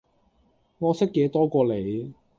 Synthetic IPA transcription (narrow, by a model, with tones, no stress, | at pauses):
ŋɔː˨˧sɪ˥kːeː˨˧˥t̪ɔː˥kʷɔː˧le˨˥j